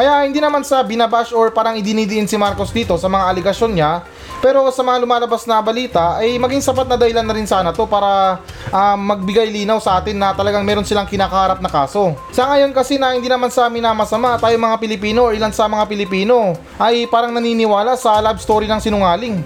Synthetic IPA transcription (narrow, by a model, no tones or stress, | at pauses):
kɐjaʔhɪnd̪iːnɐmansɐbɪnɐbaʃoɹpaːɾɐŋɪd̪ɪnid̪ɪʔɪnsɪmaɾkosd̪iːt̪o̞sɐmɐŋaʔɐlɛɡɐʃjo̞nɲa | pɛːɾo̞sɐmɐŋalʊmaːlɐbasnɐbɐliːt̪ɐʔɐjmɐɡiŋsɐpat̪nɐd̪ɐhɪlanːɐɾɪnsaːnɐt̪o̞paːɾɐ | ʔamɐɡ̚bɪɡajliːnɐwsɐʔaːt̪ɪnːɐt̪ɐlɐɡaŋmɛːɾo̞nsɪlaŋkɪnaːkɐhaːɾap̚nɐkaːso̞ | sɐŋɐjo̞nkɐsɛnɐhɪnd̪iːnɐmansɐɐmɪnaːmɐsɐmaʔt̪aːjoŋmɐŋapɪlɪpiːno̞ʔoɹʔɪlansɐmɐŋapɪlɪpiːno̞ | ʔɐjpaːɾɐŋnɐniːnɪwaːlasɐlabst̪o̞ːɾjɪnɐŋsɪnʊŋaːlɪŋ